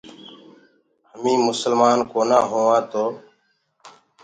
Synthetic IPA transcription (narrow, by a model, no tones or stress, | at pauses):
həmĩːmʊsəlmaːnkoːnãːɦoːʋãːt̪oː